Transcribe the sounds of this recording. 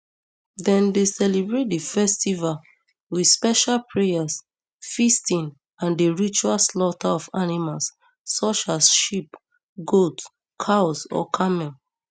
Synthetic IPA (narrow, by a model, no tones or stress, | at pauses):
dɛ̃ndesɛlibɹet̚difɛstival | widspɛʃalpʰɹejas | fistĩn | ãndeɹit͡ʃualslɔtʰaɔfanimalsː | ɔt͡ʃasʃip | ɡot | kʰaɔsɔ̰kʰamɛl